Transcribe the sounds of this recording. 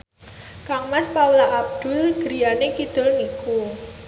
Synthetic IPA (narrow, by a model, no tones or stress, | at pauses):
kaŋmaspaulaʔab̚d̪̥ʊ̤lɡ̥ɾi̤janekid̪̥ʊ̤lniku